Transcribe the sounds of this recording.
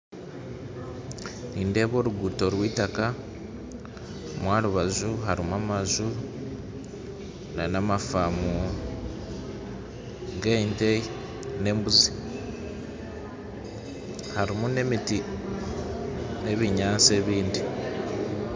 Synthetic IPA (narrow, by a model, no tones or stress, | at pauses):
niːnde̞ːβo̞ɾuɡuto̞ɾwiːtaka | mwaːluβazuɦaɾimuamazu | nanamafamu | ɡentei | ne̞ːmbuzi̥ | haɾimune̞miti | ne̞βiɲaːt͡se̞ːβiːndi